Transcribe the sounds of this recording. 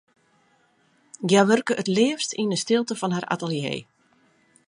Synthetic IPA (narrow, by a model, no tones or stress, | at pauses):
ɡjaʋørkəʔətlɪːəfstinəstɪlˠtəfɔnɦarʔa̰təlˠjḛː